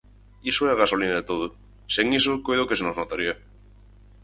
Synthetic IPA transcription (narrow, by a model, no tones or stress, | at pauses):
isoeaɣasolinaðet̪oð̞o | seŋisokojðokeenoznot̪aɾia